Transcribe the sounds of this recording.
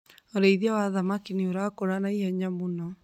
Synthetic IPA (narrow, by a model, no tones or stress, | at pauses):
oɾɛiðiawaðamakinioɾakoɾanaihɛɲamunɔ